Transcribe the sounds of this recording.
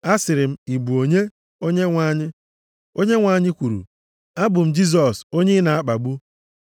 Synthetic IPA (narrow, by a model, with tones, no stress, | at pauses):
a˦sɪ˨ɾɪ˨m̩˦i˨bu˨o˨ɲe˦ | o˦ɲe˦ŋʷa˦˨ɲɪ˦ | o˦ɲe˦ŋʷa˨ɲɪ˦kʷu˨ɾṵ˨ | a˦bʊ˨m̩˦d͡ʒi˦z̬ɔ˨so˦ɲe˦na˨a˦k͡pa˨ɡ͡bu˦